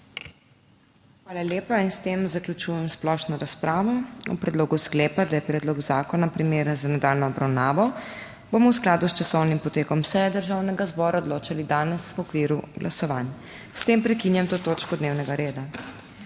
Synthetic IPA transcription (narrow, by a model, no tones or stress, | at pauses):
xʋaːlaljeːpainst̪emzaklʲut͡ʃuːjɛmsplɔʃnɔɾaspɾaːʋɔɔ̰pɾɛd̪loːɡuskleːpad̪ajɛpɾɛːd̪lɔɡzaːkɔnapɾimeːɾzanɛd̪alnɔːbɾawnaːʋɔ | bomɔwsklaːd̪ust͡ʃasɔwnimpɔt̪eːkɔmsɛjɛd̪əɾʒaːwnɛɡazbɔːɾaɔd̪loːt͡ʃalid̪aːnɛswɔkʋiːɾuɡlʔa̰sɔʋaːn | st̪empɾɛkinjamt̪oːt̪oːt͡ʃkɔd̪neːwnɛɡaɾeːd̪a